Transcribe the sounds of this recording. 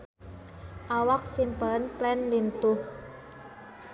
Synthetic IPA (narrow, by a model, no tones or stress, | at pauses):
ʔawak̚simpanplɛnlint̪ʊh